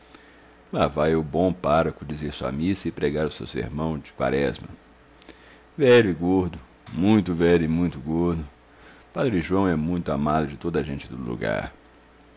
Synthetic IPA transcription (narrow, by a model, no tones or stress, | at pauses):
lavajeʊbõw̃paɾɐkʊ̃d͡ʒɪzeɾsuɐ̰misɐɪpɾeɡaɾʊsḛwsḛɾmɐ̃w̃d͡ʒɪ̥kwa̰ɾɛzmɐ̰ | vɛʎʊɪɡoɾd̪ʊ | mũj̃t̪ʊvɛʎʊɪmũj̃t̪ʊɡoɾd̪ʊ | pad̪ɾiʒuwɐ̃w̃ɛmũj̃t̪ʊamad̪ʊd͡ʒɪt̪od̪ɐʒẽnt͡ʃɪd̪ʊlṵɡa̰ɾ